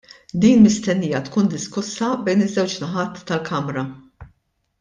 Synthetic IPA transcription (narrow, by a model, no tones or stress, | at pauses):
d̪iːnmɪst̪ɛnːiːjɐt̪kuːnd̪ɪskʊsːɐbɛjnɪzːɛwt͡ʃnɐħɐt̪ːɐlkɐmɾɐ